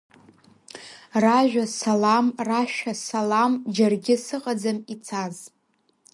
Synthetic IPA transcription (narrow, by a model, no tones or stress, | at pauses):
raʒʷᶣasalamraʃᶣasalamd͡ʒarɡʲɪsɨqʼad͡zamit͡sʰaz